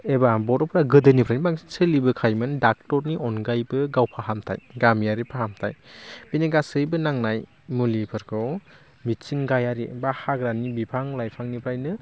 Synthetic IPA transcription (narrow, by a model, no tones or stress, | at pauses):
ebabɔɾɔpʰɾaɡɯdɯnipʰɾajnibaŋsi̥sɯlibɯkʰajmɯndak̚tɔɾniɔnɡajbɯɡawpʰaɦamtʰa̰jɡamijaɾipʰahamtʰajbineɡasɯjbɯnaŋnaj | mulipʰɯɾkʰɔw | mitt͡ʃiŋɡajaɾibahaɡɾanibipʰaŋlajpʰaŋnipʰɾajnɯ